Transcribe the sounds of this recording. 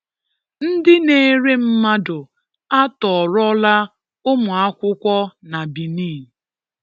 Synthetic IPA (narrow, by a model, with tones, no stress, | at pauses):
n̩˦dɪ˦ne˦˨˦ɾe˦m̩˦ma˦dʊ˨ | a˦tɔ˨ɾɔ˦la˦ | ʊ˦mʊ˨a˦kʷʊ˦kʷɔ˦na˨bi˨niː˦˨